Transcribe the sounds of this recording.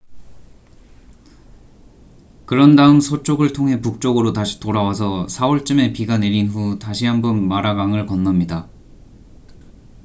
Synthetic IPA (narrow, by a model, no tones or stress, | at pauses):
kɯɾʌndaɯmsʰot͡ɕ͈oɡɯɭtʰoŋɦe̞puk̚t͡ɕ͈ʌɡɯɾotaɕʰi̥toɾawasʰʌsʰaoɭt͡ɕ͈ɯme̞piɡane̞ɾinɸutaɕʰiɦambʌnmaɾaɡaŋɯɭkʌnːʌmɲida